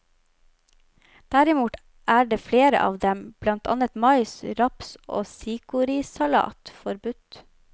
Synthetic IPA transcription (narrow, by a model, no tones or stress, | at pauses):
d̪̥æɾɪmuːt̪ | ʔæːɖeːfleːɾə̰ʔɑ̰ːʋd̪ɛmb̥lɑnt̪ʰɑ̰ːnət̪mɑɪsɾɑpso̰ːsiːkʊɾɪsɑlɑ̰ːt̪fɔɾbʉt̪